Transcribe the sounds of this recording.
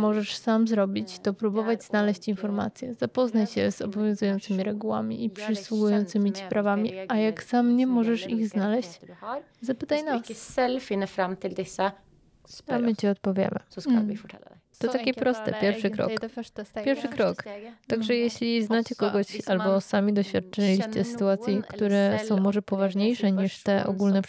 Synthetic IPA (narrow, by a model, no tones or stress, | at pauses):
mɔʐɛʂsamzɾɔbʲit͡ɕt̪ɔpɾubɔvad͡ʑz̥nalɛɕt͡ɕinfɔɾma̰t̪sʲjɛz̥apɔznat͡ɕɕɛz̥ɔbɔvʲjɔ̃w̃zujɔ̃nt̪sɘmʲiɾɛɡuwa̰mʲḭʔipʂɘswuɡujɔnt̪sɘmʲit͡ɕi̥pɾavamʲiajaɡsamɲɛmɔʐɛʂiɣznalɛɕt͡ɕ | zapɘt̪ajnasɛlfinəfɾamːt̪ʰɪld̪ɪsa | amɘt͡ɕiɔt̪̚pɔvʲjɛ̰mɘ̰ | t̪ɔt̪akʲipɾɔst̪ɛ̰pʲjɛɾfʂɘkɾɔ̰kʲjɛɾfʂɘkɾɔkt̪aɡʐɛjeɕlʲiznat͡ɕɛkɔɡɔɕalbɔsamʲid̪ɔɕfʲjat̪̚t͡ʂɘlʲiɕt͡ɕɛsɘ̥t̪uat̪sʲjikt̪uɾɛsɔ̃w̃mɔʐɛpɔvaʐɲejʂɛɲiʂt̪ɛʔɔ̰ɡulnɛ